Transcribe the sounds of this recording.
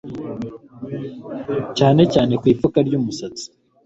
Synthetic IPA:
caːne̞caːne̞kwiːpfukaɾɟuːmusat͡si̥

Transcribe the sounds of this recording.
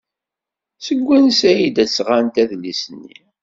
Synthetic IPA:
səɡʷːænsæjid̪æt͡sːʁant̪æðlːisənːḭ

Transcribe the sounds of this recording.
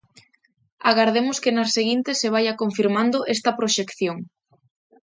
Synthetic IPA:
aɣaɾð̞emʊskenɐseɣint̪eseβ̞ajɐkoɱfiɾmand̪oʔest̪ɐpɾoʃekθjoŋ

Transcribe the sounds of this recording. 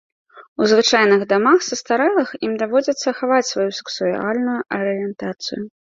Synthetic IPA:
uzvɨt͡ʂajnɨɣd̪amaxsɐst̪aɾɛlˠɐximd̪avɔd͡zʲɐt̪sːɐxavat͡sʲsvajusɛ̥ksualʲnujuʔɐɾɨjɛnt̪at̪sɨ̰ju

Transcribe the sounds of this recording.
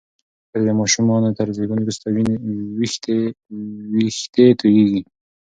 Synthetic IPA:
təɾd̪emɑʃumɑnot̪aɾzibunɾust̪awinewixt̪e | wixt̪et̪ʰujeɡi

